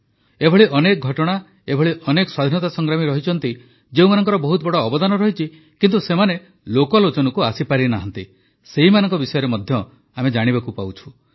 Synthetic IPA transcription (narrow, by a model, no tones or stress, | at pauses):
ebʱɔɭiʔɔnek̚ɡʱɔʈɔɽ̃a | ebʱɔɭiʔɔnekswad̪ʱnɔt̪asɔŋɡɾamiɾɔɦit͡ʃʰɔnt̪i | d͡ʒeũmanɔŋkɔɾɔbɔɦut̪̚bɔɽɔːbɔd̪anɔɾɔɦit͡ʃʰi | kint̪usemane | lokɔlot͡ʃɔnɔkuasipaɾinaɦɔnt̪i | seɦimanɔŋkɔbisɔjɔɾemɔd̪ʱjɔ | amed͡ʒaɽ̃ibakupawt͡ʃʰu̥